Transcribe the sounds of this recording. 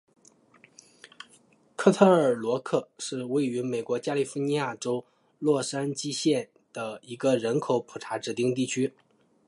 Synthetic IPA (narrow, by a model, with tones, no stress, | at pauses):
kʰɤ˥˧t̪ʰɤ˥˩ə˞˨˩lwɔ˧˥kʰɤ˥˩ʂɻ̩˥˧we˥˩ɪy˧˥me˨˩ɪkwɔ˧˥t͡ɕja˥li˥˩fu˥ni˧˥ja˥˩ʈ͡ʂo˥ʊ | lwɔ˥˩ʂa˥nt͡ɕi˥ɕjɛ˥˩n | d̪̥ə˩i˧˥ɡə˧ɻə˧˥nkʰo˨˧˥ʊpʰu˨˩ʈ͡ʂʰa˧˥ʈ͡ʂɻ̩˨˩t̪i˥˧ŋt̪̬i˥˩t͡ɕʰy˥